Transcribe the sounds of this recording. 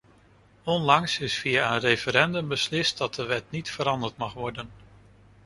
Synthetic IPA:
ɔnlɑŋsɪsfijaənrejfəɾɛndəmbəslɪst̚dɑt̚dəʋɛt̚nitfəɾɑndəɹtmɑχʋɔɹdən

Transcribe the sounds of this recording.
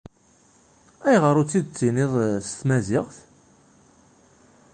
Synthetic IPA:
æjʁəɾˤut͡sːid̪̚t͡sːinɪðˤst̪mæzɪʁθ

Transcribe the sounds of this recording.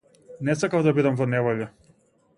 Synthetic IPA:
nɛsakavd̪abid̪amvɔnɛvɔʎɛ

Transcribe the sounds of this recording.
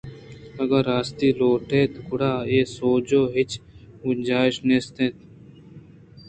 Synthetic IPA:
əɡəɾaːst̪iːloːʈʰeːt̪kʊɽaːeːsoːd͡ʒoːɦɪt͡ʃ | ʊnd͡ʒaːɪʃnest̪ẽːt̪

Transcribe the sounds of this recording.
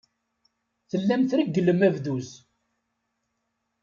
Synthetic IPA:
θəlːæmθɾiɡːəlːəmævðuz

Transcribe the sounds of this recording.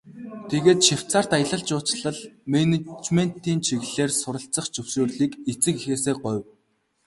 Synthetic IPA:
t̪ʰeɣeːt̪ʃiw̥t͡saːr̥t̪ajə̆ɮə̆ɮt͡ɕʊːt͡ɕɮə̆ɮmenet͡ɕmen̥t̪iːnt͡ɕʰiɣɮeːrsʊɾə̆ɬt͡sə̆χt͡ɕɵwʃoːrɮiːket͡sɘ̆kixeːseːɢʊw

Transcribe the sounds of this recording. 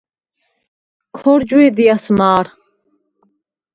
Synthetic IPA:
kʰɔɾd͡ʒwɛd̪ijasmaːɾ

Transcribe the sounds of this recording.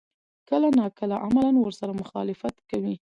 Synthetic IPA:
kəlanɑkəlaʔamalanwəɾsaɾamʊxɑlɪfat̪kawi

